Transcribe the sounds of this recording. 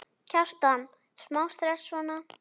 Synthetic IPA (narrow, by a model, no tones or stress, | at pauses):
cʰar̥t̪an | smawst̪ɾɛsvɔna